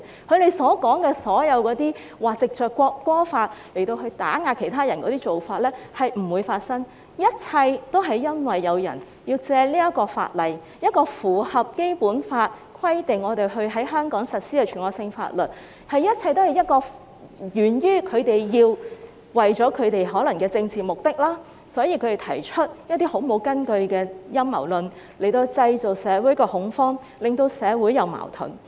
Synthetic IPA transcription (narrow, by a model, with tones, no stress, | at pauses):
kʰɵ˨˧ɥt̪e˨jsɔː˨˥kɔː˨˥ŋkɛː˧sɔː˨˥jɐ˨˧wkɔː˨˧˥t̪iː˥ | waː˨t͡sɪ˨k̚t͡ʃœː˨kːʷɔː˧kːʷɔː˥faː˧t̚le˨˩jt̪o˧wɦɵ˧ɥt̪a̰ː˨˥ŋaː˧kʰe˨˩jt̪ʰaː˥jɐ˨˩nkɔ̰ː˨˦t̪iː˥t͡so˨wfaː˧t̚lɛː˥hɐ˨jm̩˨˩wuː˨˧jfaː˧t̚sɐ˥ŋ | jɐ˥t̚t͡sʰɐ˧jt̪o˥wɦɐ˨jːɐ˥nwɐ˨jːɐ˨˧wjɐ̰˨˩n | ji˧wt͡sɛː˧liː˥jɐ˥tkɔː˧fa̰ː˧t̚lɐ˨j | jɐ˥t̚kɔː˧fuː˨˩hɐ˨p̚ke˥jpuː˨˥nfaː˧t̚kʰwɐ˥jt̪ɪ˨ŋːɔː˨˧t̪e˨jɦɵ˧ɥɦɐ˨˥jɦœː˥ŋkɔː˨˥ŋsɐ˨t̚siː˥ɛ˧t͡ʃʰyː˨˩nkɔː˧ksɪ˧ŋfa̰ː˧t̚lɵ˨˩t̚ | hɐ˨jjɐ˥t̚t͡sʰɐ˧jt̪o˥hɐ˨˩jɐ˥t̚kɔː˧ | jyː˨˩njyː˥kʰɵ˨˧ɥt̪e˨jjiː˧w | wɐ˨jt͡sɔː˨˥kʰɵ˨˧t̪e˨jɦɔː˨˥lɐ˨˩ŋkɛː˧t͡sɪ˧ŋt͡siː˨mʊ˨k̚t̪ɪ˥k̚laː˥ | sɔː˨˥jiː˨˧kʰɵ˨˧t̪e˨˩t̪ʰɐ˨˩jt͡ʃʰɵ˥t̚jɐ˥t̪̚iː˥ho˨˥wmo˨˥wkɐ˥nkɵ˧ɥkɛː˧jɐ˥mːɐ̰˨˩wlɵ˨n | le˨˩jt̪o˧wt͡sɐ˧jt͡so˨wsɛː˨˧wuː˨˥jkɔː˧hʊ˨˥ŋfɔː˥ŋ | lɪ˨˩ŋt̪o˧wsɛː˨˧wuː˨˥jɐ˨˧wma̰ː˨˩wt̪ʰʊ̰˨˩ŋ